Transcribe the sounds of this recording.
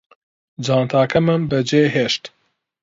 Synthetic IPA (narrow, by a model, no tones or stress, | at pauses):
d͡ʒɑːnt̪ʰɑːkʰɐmɨnbəd͡ʒeːɦeːʃt̪